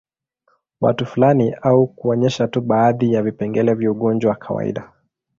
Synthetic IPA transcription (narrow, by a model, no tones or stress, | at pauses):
wa̰tufulaniaukuɔɲɛʃatuɓaːðijavipɛŋɡɛlɛvjauɠɔnd͡ʒwawakʰawa̰ḭɗa